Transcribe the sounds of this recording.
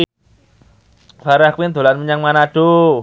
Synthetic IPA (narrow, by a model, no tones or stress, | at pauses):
faɾahkwind̪o̤lanməɲaŋmanaɖ̥o